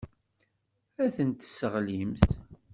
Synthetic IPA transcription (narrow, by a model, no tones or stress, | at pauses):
æθənt̪əsəʁlimθ